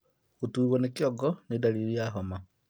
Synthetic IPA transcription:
ɣutuiɣwonekioɡonidaliɾiaɦoma

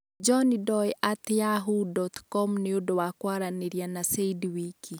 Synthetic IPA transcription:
d͡ʒɔnidɔjʔat̪jaɦudɔt̪kɔmneodowakwaɾaneɾjanaseidwiki

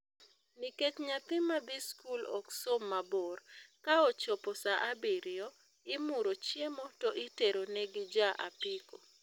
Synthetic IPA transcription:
niket͡ʃɲat̪ɪmːabiskulɔ̰ksomːaborkaɔt͡ʃɔpɔsaʔabiɾɪo | ɪmʊɾot͡ʃjemɔtoʔiteɾonɛɡid͡ʒaʔa̰pɪko

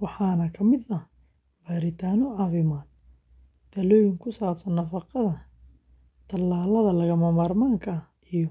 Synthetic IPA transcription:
wɑħɑːnɐkʰɐmɪd̪ɐ | bɐɾɪt̪ʰaːnɔʕɑːfɪmaːd̪̚ | d̪̥ʰɐlɔːjɪŋkʰʊsaːbsɐnːɐfɑqɐðɐ | t̪ʰɐlːaːlɐðɐlɐɣɐmɐmaːrmaːŋkʰɐ | ijɔ

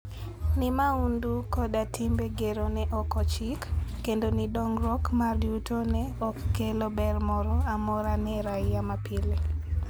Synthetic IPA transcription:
nɪmaundukɔdatʰimbeɡeɾonɛʔɔkɔt͡ʃikː | endonidɔŋɾɔkmarjutʰonɛɔkːelobɛrmɔɾɔamɔɾanɛɾajjamapʰile

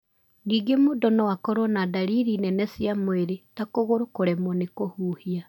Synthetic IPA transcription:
niːɡemoːdɔnɔwakɔɾɔnadaɾiɾinɛnɛsjamweɾetakoɣoɾokoɾɛmɔnekohuːhia

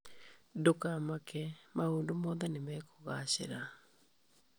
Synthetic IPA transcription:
dokamakɛmaoːndomɔːðanemɛːkoɣaɕḛɾa

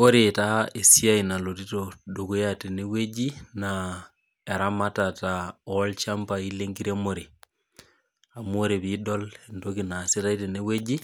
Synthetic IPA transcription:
oɾetaesiainalot̬itodoɡojatenewed͡ʒina | ɛɾamatataɔlt͡ʃambaileŋɡiɾemoɾe | amoɾeβidɔlendokinasetaitenewed͡ʒi

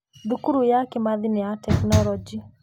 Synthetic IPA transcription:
ðukuɾujakɛmaðinɛatɛknɔlɔd͡ʒi

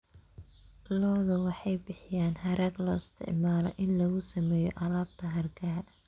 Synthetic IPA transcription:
lɔːðɐwɑħɑjbɪħɪjaːnhɐɾʔɐɡ̪lɔɪst̪ʰɪ̰ʕmaːlɔ̰ʔɪnlɐɣʊsɐmɛːjɔʔɐlaːb̚t̪ʰɐɦɐrɡɐ

